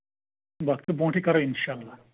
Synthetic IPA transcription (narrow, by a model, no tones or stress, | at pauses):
bak̚t̪obɔ̃ʈikaɾoinʃaːlːa